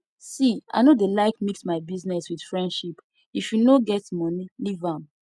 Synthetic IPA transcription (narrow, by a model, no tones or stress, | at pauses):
sia̰ɪnodelaɪkmiksmaɪbiznɛswid̥fɹɛ̃ndʃip | ifjunoɡɛtmɔnilivãm